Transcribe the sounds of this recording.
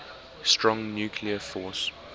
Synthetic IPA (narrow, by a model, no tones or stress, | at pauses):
stɹɔ̃ŋnjuːkʰliəfɔːˑs